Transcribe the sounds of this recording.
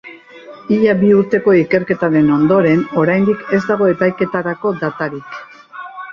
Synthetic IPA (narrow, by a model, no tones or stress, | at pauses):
iʎabiuɾt̪e̞ko̞ike̞ɾke̞t̪aɾe̞no̞nd̪o̞ɾe̞no̞ɾajnd̪ike̞zd̪aɣ̞o̞e̞pajke̞t̪aɾako̞d̪at̪aɾik